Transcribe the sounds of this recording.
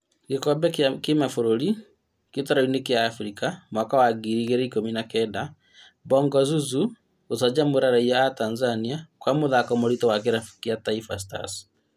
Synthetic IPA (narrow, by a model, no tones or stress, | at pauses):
kekɔbɛkemafoɾoɾi | ketaɾɔinekjaːfɾikamwakawaɡiɾiɣeɾɛikominakɛda | bɔŋɡɔzuzu | osad͡ʒamoɾaɾaiaatanzaniakwamoðakɔmoɾitɔwak̬eɾafkjataifas̬ta̰s